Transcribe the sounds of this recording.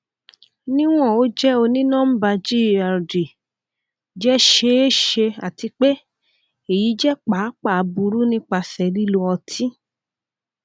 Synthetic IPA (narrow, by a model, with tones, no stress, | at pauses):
nĩ˦w̃ɔ̃˦˨o˨˦d͡ʒɛ˦o˧nĩ˦nã˦m̩˦ba˧d͡ʒi˦˨a˨di˨ | d͡ʒɛ˦ʃe˧˦e˦ʃe˧a˨ti˧k͡pe˦ | e˨ji˨˦d͡ʒɛ˦k͡pa˨˦k͡pa˦˨˧bu˧ɾu˦nĩ˦k͡pa˧sɛ˨li˦lo˧ɔ˧tʰi˦